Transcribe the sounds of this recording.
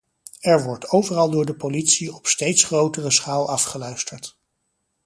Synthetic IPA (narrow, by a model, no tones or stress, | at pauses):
ɛɹʋɔɹtowvərɑlˠdʊːɹdəpolitsiɔpstejtsχrowtərəsχaːlˠɑfχəlœɥstəɹt